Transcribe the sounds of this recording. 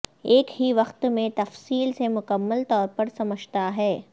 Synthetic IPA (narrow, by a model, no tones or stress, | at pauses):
eːkɦiʋɐxt̪mẽt̪ɐfsiːlsemʊkəmːəlt̪ɔːɾpɐɾsɐməd͡ʒt̪aɦɛː